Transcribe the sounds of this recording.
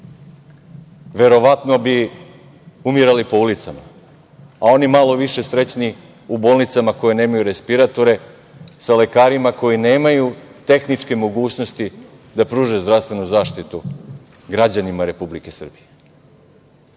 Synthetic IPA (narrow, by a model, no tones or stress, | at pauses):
ʋe̞ɾo̞ʋat̪no̞bi | umiɾalipo̞ulit̪sama̰ | ao̞nimalo̞ʋiʃe̞sɾe̞t͡ɕni | uboːlˠnit̪samako̞jeneːmajuɾe̞spiɾat̪o̞ɾe̞ | sale̞kaːɾimako̞jineːmajut̪e̞xnit͡ʂke̞mo̞ɡuːt͡ɕno̞st̪i | d̪apɾuːʒezd̪ɾafst̪ʋe̞nuzaːʃt̪it̪u | ɡɾad͡ʑanimaɾe̞publike̞sr̩bije